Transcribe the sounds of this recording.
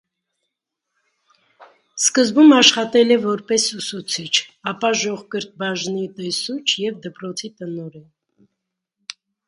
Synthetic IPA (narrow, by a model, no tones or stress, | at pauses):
skəzbumɑʃχɑt̪ɛlɛvɔɾpɛsusut͡sʰit͡ʃʰɑpɑʒɔʁkəɾt̪̚bɑʒnit̪ɛsut͡ʃʰjɛvd̪əpɾɔt͡sʰit̪ənɔɾɛn